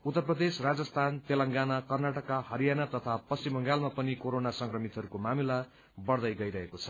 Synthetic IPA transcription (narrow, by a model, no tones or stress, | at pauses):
ut̪ːʌrprʌd̪esrad͡zʌst̪ʰant̪elʌŋɡanakʌrnaʈʌkːahʌɾijanat̪ʌt̪ʰapʌsimʌŋɡalmapʌnikoɾonasʌŋkrʌmit̪ɦʌɾukomamila | bʌrd̪ʌjɡʌjɾʌɦekot͡sʰʌ̥